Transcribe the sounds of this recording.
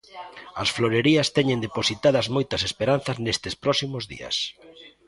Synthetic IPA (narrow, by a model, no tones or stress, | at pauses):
ɐsfloɾeɾiɐst̪ɛɲẽnd̪eposit̪að̞ɐzmojt̪ɐsespeɾanθɐznest̪ɪspɾɔsimozðḭɐ̰s